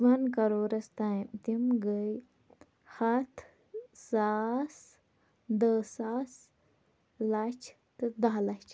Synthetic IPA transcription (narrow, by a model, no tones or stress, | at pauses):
ʋɐnkɐɾoːɾɐst̪aimt̪imɡəj | hɐt̪ʰ | saːs | d̪əːsaːs | lɐt͡ʃʰ | t̪ɨd̪aɦlɐt͡ʃʰ